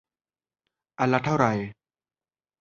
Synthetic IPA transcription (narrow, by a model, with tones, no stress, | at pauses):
ʔa˧˩lːa˧t̪ʰa˥˩wɾa˨˩j